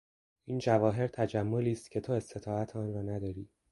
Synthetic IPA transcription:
iːnd͡ʒævɒːɦe̞ɾt̪ʰæd͡ʒæmːoliːst̪cʰe̞t̪ʰoe̞st̪ʰe̞t̪ʰɒːæt̪ʰɒːnɾɒːnæd̪ɒːɾiː

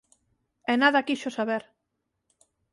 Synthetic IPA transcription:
enaðakiʃosaβeɾ

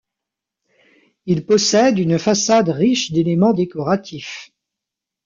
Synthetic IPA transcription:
ilpɔsɛd̪ynfasad̪ʁiʃd̪elemɑ̃d̪ekɔʁat̪ʰif

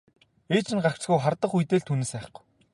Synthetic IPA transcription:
eːt͡ɕɪ̆nɢakt͡ɕt͡sɡujχart̪ə̆χujt̪eːɮt̪ʰuːneːsæːχ̆ɡu̥j

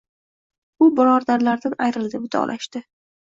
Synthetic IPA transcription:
ʊbɾɒɾd̪aɾlaɾd̪anajɾɪld̪ɪbʊt̪ʰɒ̰lʔaʃt̪ɪ

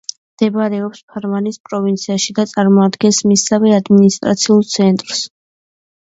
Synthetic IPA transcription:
md̪̥ɛbɾɛɔpspʰaɾmanispʼɾɔvint̪sʰiaʃid̪at̪sʼaɾmɔad̪ɡɛnsmisavɛad̪minist̪ʼɾat̪sʰiulˠt̪sʰɛnt̪ʼɾs

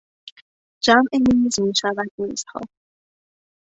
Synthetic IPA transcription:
d͡ʒæmʔemimizmiʃævæd̪̥̚niːz̥hɒ̰ː

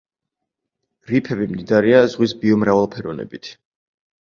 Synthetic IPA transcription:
ɾipʰɛbimd̪id̪aɾiazʁwisbiɔmɾavalˠpʰɛɾɔnɛ̰bit̪ʰ

